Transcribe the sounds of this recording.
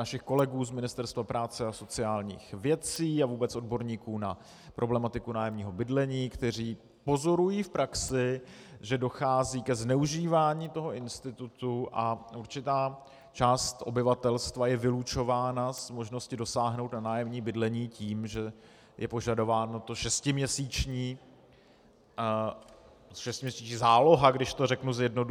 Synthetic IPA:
naʃɪxko̞lɛɡuːzmɪnɪst̪ɛɾst̪vapɾaːt͡sɛaso̞t͡sɪaːlɲḭːxvjɛt͡siːavuːbɛt͡sʔo̞dbo̞ɾɲiːkuːna | pɾʔo̞blɛmat̪ɪkunaːjɛmɲiːɦo̞bɪdlɛɲiːkt̪ɛr̝iː | po̞zo̞ɾujiːfpɾʔaksɪ | ʒɛdo̞xaːziːkɛznɛuʒiːvaːɲiːt̪o̞ɦo̞ʔɪnst̪ɪt̪ut̪uʔaʔuɾt͡ʃɪt̪aː | t͡ʃaːst̪ʔo̞̰bɪvat̪ɛlst̪vajɛvɪlut͡ʃo̞vaːnasmo̞ʒno̞scɪdo̞saːɦno̞wt̪nanaːjɛmɲiːbɪdlɛɲiːciːmʒɛ | jʔɛpo̞ʒado̞vaːno̞t̪o̞ʃɛscɪmɲɛsiːt͡ʃɲiː | ʃɛscɪmɲɛsiːt͡ʃɲiːzaːlo̞ɦaɡdɪʃt̪o̞rɛknuzjɛdno̞du

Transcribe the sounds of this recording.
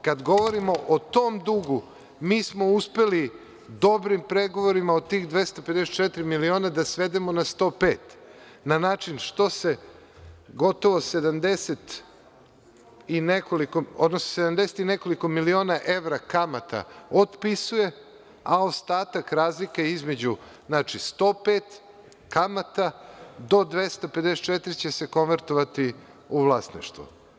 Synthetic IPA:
kad̪ɡo̞ʋo̞ɾimo̞ʔot̪oːmd̪uɡu | miːsmo̞uspeli | d̪o̞bɾimpɾe̞ɡo̞ʋoɾimaot̪iːxd̪ʋe̞st̪oped̪eset̪t͡ʃet̪ɾimilio̞ːnad̪asʋe̞d̪emo̞nast̪o̞ːpe̞ːt̪ | nanaːt͡ʃinʃt̪o̞se̞ | ɡo̞t̪o̞ʋo̞se̞d̪amd̪e̞set̪ | inekoliko̞od̪nosnosed̪amd̪eset̪ine̞ko̞liko̞milio̞ːnaʔe̞ʋɾakamat̪ʰa̰od̪pisuje̞ | aost̪aːt̪akɾaːzlikeizme̞d͡ʑu | znaːt͡ʃist̪o̞ːpeːt̪ | kamat̪ad̪o̞d̪ʋest̪aped̪eset̪t͡ʃet̪ɾit͡ɕe̞se̞ko̞nʋeɾt̪oʋat̪i | uʋlˠasnḭʃt̪vʋṵ

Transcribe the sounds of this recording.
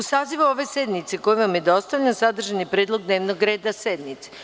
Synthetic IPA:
usaːziʋaoʋe̞sed̪nit̪seko̞jeʋamjed̪o̞st̪avʎʲansad̪r̩ʒanipɾeːd̪lˠoɡ̚d̪neːʋnoɡɾeːd̪ased̪nit̪se

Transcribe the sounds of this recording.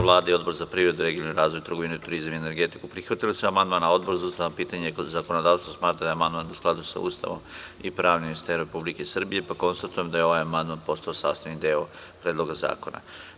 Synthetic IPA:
ʋlˠaːd̪aio̞d̪bo̞ɾzapɾiːvɾe̞d̪uɾe̞ɡioniɾaːzʋo̞jut̪ɾr̩ɡo̞ʋinuit̪uɾizamiene̞ɾɡe̞t̪ikupɾixʋat̪ilisuamand̪maːnao̞d̪̚boɾzaust̪aʋapiːt̪aɲezako̞nod̪aːʋst̪osmaːt̪ɾad̪ajamand̪manusklad̪usa̰ṵst̪a̰ʋo̞̰mipɾaːʋnimist̪eɾɾepublike̞sr̩bije̞pako̞nst̪at̪ujemd̪ajeo̞ʋajamand̪manpo̞st̪aosa̰ːst̪aʋnid̪eo | pɾeːd̪lˠo̞ɡaza̰ːkona̰

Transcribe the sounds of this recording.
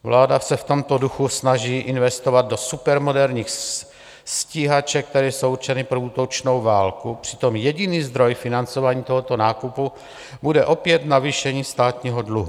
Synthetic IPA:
vlaːdasɛft̪o̞mt̪o̞duxusnaʒiːʔɪnvɛst̪ovad̪̚do̞supɛɾmo̞dɛɾɲiːx | sciɦat͡ʃɛk̚t̪ɛɾɛːsowrt͡ʃɛnɪpɾouːt̪o̞t͡ʃno̞wvaːlkupr̥ɪ̥t̪o̞mjɛɟɪniːzd̪ɾo̞jfɪnant͡so̞vaːɲiːt̪o̞ɦo̞t̪o̞naːkupu | budɛʔo̞pjɛt̪naviːʃɛɲiːst̪aːt̪ɲiːɦodluɦu

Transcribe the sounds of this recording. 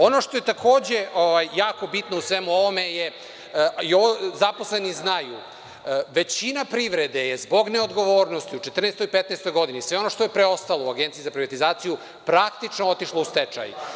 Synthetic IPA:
o̞noʃt̪o̞jet̪akʰoːd͡ʑe̞ʔoʋajːaːko̞bit̪nousʋemuoʋomeje | iozaposleniznaju | ʋet͡ɕinapɾiʋɾed̪ejezbo̞ɡneod̪ɡo̞ʋo̞ːɾnost̪iut͡ʃet̪r̩nest̪o̞jipet̪nɛst̪o̞jɡo̞d̪inisʋe̞ono̞ʃt̪o̞jepɾeo̞st̪alˠouaɡent̪sizapɾiʋat̪izaːt̪siju | pɾakt̪it͡ʃnoot̪iʃlˠoust̪et͡ʃa̰j̰

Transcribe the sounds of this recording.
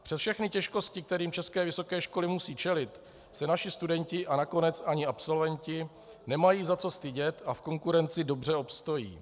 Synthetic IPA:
pr̥ɛsfʃɛxnɪcɛʃko̞scɪk̚t̪ɛɾiːmt͡ʃɛskɛːvɪso̞kɛːʃko̞lɪmusiːt͡ʃɛlɪt̪ | sɛnaʃɪst̪udɛɲcɪʔanako̞nɛt͡saɲɪapso̞lvɛɲcɪ | nɛmajiːzat͡so̞st̪ɪɟɛt̪afko̞ŋkuɾɛnt͡sɪdo̞br̝ɛo̞pst̪o̞jḭː

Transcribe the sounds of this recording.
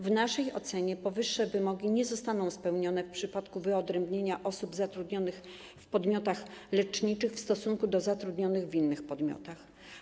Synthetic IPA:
vnaʂɛjɔ̰t̪sɛɲɛpɔvɘʂːɛvɘmɔɡʲiɲɛzɔst̪anɔ̃w̃spɛwɲɔnɛfpʂɘpat̪kuvɘɔd̪ɾɛmbɲeɲaʔɔsubzat̪ɾud̪ɲɔnɘx | fpɔd̪mʲjɔt̪axlɛt͡ʂɲit͡ʂɘxfst̪ɔsuŋkud̪ɔzat̪ɾud̪ɲɔnɘɣvʲinːɘxpɔd̪mʲjɔ̰t̪ax

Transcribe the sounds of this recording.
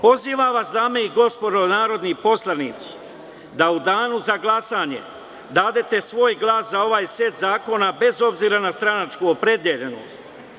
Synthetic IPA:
po̞ziːʋaʋasd̪aːmeiɡo̞spod̪onaːɾo̞d̪nipo̞slˠaniːt̪si̥ | d̪aud̪aːnuzaɡlˠasaːɲe̞̰ | d̪aːd̪e̞t̪e̞sʋo̞ːjɡlˠaːszao̞ʋaːjse̞t̪zaːko̞nabe̞zo̞bziːɾanast̪ɾanat͡ʃkuopɾe̞d̪jeʎeno̰ːst̪

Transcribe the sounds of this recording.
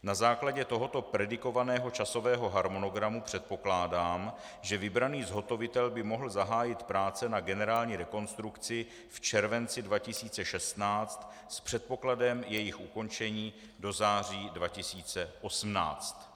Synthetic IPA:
nazaːklaɟɛt̪o̞ɦo̞t̪o̞pɾɛdɪko̞vanɛːɦo̞t͡ʃaso̞vɛːɦo̞ɦaɾmo̞no̞ɡɾamupr̥ɛt̪̚po̞klaːdaːm | ʒɛvɪbɾaniːzɦo̞t̪o̞vɪt̪ɛlbɪmo̞ɦl̩zaɦaːjɪt̪pɾaːt͡sɛnaɡɛnɛɾaːlɲiːɾɛko̞nst̪ɾukt͡sɪ | ft͡ʃɛɾvɛnt͡sɪdvacɪsiːt͡sɛʃɛst̪naːt͡st̪ | spr̝̥ɛt̪̚po̞kladɛmjɛjɪxʔuko̞nt͡ʃɛɲiː | do̞zaːriːdvacɪsiːt͡sɛʔo̞sm̩na̰ːt͡st̪

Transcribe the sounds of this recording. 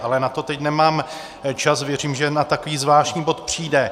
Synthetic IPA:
ʔalɛnat̪o̞t̪ɛcnɛmaːm | t͡ʃasvjɛr̝iːmʒɛnat̪akoviːzvlaːʃɲiːbo̞t̪pr̝̥iːdɛ

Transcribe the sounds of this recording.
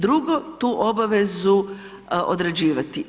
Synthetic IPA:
d̪ɾuɡot̪uːʔobaʋe̞zu | ʔo̰d̪ɾed͡ʑiːʋat̪i

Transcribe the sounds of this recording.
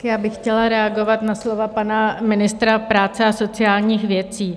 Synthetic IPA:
kjaːbɪxcɛlaɾɛaɡo̞vat̪naslo̞vapanamɪnɪst̪ɾapɾaːt͡sɛaso̞t͡sɪaːlɲiːxvjɛt͡siː

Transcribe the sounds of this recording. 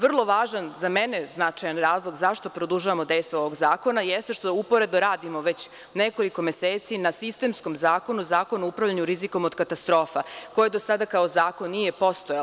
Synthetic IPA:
ʋr̩lˠo̞ʋaːʒanzameneznat͡ʃajanɾaːzlˠo̞ɡzaʃt̪o̞pɾod̪uʒaʋamo̞d̪e̞jst̪ʋooʋo̞ɡzaːko̞najest̪eʃt̪oupoɾe̞d̪oɾaːd̪imo̞ʋet͡ɕ | neko̞liko̞meseːt̪sinasist̪e̞msko̞mzaːko̞nuzaːko̞nuoupɾaʋlʎaɲuɾiziko̞mod̪kat̪ast̪ɾo̞ːfako̞jed̪o̞sad̪akaozaːko̞nːije̞po̞st̪oja

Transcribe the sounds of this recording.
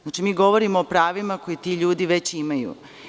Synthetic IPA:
znat͡ʃimiːɡo̞ʋoɾimoːpɾaːʋimako̞jit̪iːʎuːd̪iʋe̞t͡ɕimajṵ

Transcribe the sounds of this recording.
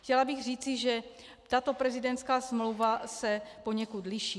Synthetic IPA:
xcɛlabɪɣriːt͡sɪʒɛ | t̪at̪opɾɛzɪdɛnt̪skaːsmlowvasɛpo̞ɲɛkut̪lɪʃiː

